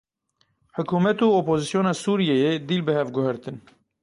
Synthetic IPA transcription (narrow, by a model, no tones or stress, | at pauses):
ħʊkuːmɛt̪uːoːpoːzisjoːnɑːsuːɾijɛjeːd̪iːlbɨhɛvɡʊhɛɾt̪ɨn